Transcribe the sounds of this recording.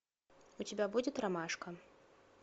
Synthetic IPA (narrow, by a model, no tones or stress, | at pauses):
ut͡sʲabʲabud͡zʲɛt̪ɾamaʂkɐ